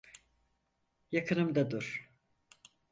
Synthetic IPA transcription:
jakʰɯnɯmd̪ad̪uɾ̥

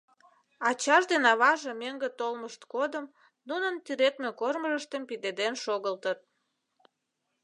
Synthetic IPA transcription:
ɑt͡ɕɑʒd̪enɑβɑʒemeŋɡət̪olməʃt̪kod̪əm | nunənt̪yɾet̪mekorməʒəʃt̪əmpid̪ed̪enʃoɣəlt̪ət̪̚

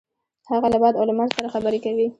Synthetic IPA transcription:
haɣalabɑd̪awlamaɾsaɾaxabəɾekawi

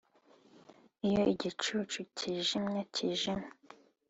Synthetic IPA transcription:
ijoʔiɟit͡ʃut͡ʃucʰiʒimɲacʰiʒim

